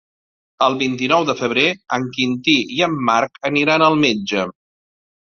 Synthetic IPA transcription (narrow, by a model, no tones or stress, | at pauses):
əlˠβint̪inɔwðəfəβ̞ɾeəŋkint̪iiəmːaɾkəniɾanəlˠmed͡ʒə